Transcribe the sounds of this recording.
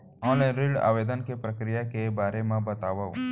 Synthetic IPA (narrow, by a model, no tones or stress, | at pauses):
ɔ̃ːnlãnɾiɖa̰ːʋeːd̪ənkepɾəkɾɪjakebaːɾemẽbɐt̪aːʋa̰